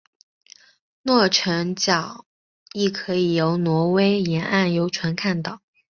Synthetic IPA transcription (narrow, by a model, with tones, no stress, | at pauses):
nwɔ˥˩ʈ͡ʂʰɤ˧˥ŋt͡ɕjɑ˨˩˦ʊ | i˥˩kʰɤ˧˥i˨˩jo˧˥ʊnwɔ˧˥we˥ɪjɛ˧˥nʔa˥˩njo˧˥ʊʈ͡ʂʰwa˧˥nkʰa˥˩nt̪ɑ˨˩˦ʊ